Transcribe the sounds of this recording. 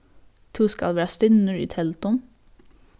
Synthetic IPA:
t̪ʰuːskɑ̰lʋæːɑst̪ʏnəɹḭːt̪ʰɛlt̪ʊm

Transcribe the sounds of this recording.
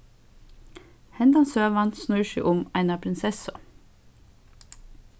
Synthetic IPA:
hɛnd̪ɑnsøːʋɑnsnʉːʃḭːʔʊmæɪnɑpʰɾɪnsɛsʊ

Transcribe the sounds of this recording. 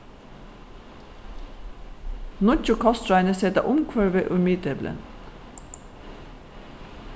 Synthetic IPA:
nʊc͡çʊkʰɑst̪ɹɑɪnəsɛt̪ɑ̰ʔʊmkʰʋœːɹʋeːʔʉmiːt̪ɛblʔə̰n

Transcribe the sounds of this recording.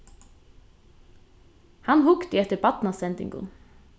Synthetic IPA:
hɑnhʊkt̪iːɛt̪əbɑt̪n̩ɑsɛnd̪ɪ̰ŋɡʊ̰n

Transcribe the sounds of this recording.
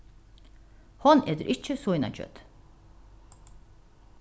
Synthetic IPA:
hɔneːd̪əɾʔɪt͡ʃːəsɔɪnɑ̰t͡ʃʰœ̰t̪

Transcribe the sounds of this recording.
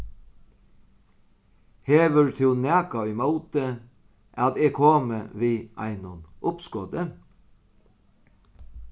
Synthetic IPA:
heːʋəɹt̪ʰʉːnæːkɑɪmɑʊt̪ə | ʔɑt̪eːkʰoːməʋiːʔɑ̰ɪnɔnʔʊpskɔːd̪ə

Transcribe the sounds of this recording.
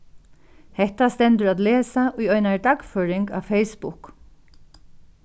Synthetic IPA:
hɛht̪ast̪ɛnt̪ʏɾat̪lɛːsaʔʊjɔjnaɹt̪akføːɾɪŋka̰ʋfejspʊk

